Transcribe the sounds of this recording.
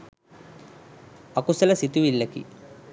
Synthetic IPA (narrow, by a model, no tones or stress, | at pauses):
ɐkusɐlɐsit̪uʋilːɐkḭ